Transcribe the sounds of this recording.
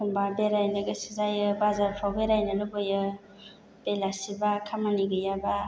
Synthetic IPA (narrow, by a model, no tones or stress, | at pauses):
umbabeɾajnɯɡɯsizajɯbazaɾpʰawbeɾajnɯlɯbɯjɯ | b̥elasibakʰamaniɡɯjaba